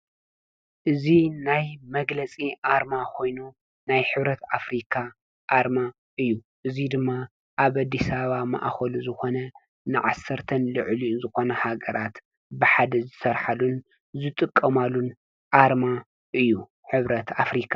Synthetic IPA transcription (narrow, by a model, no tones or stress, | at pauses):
ʔɨzinajmɐɡlɐt͡sʼiʔaɾmakʰo̞jnu | najħɨβɾɐt̪afɾikʰa | ʔaɾma | ʔɨjːu | ʔɨzid̪ɨmːa | ʔaβad̪ːisaβama̰ʔxɐluzɨxo̞nɐ | nɨʕasːɐɾt̪ʰɐnlɨʕlinzɨxo̞nɐhaɡɐɾat̪ | bɨħad̪ɐzɨsɐɾħalun | zɨt̪ʼɨkʼːɐmalun | ʔaɾma | ʔɨjːu | ħɨβɾɐt̪ʰafɾikʰḁ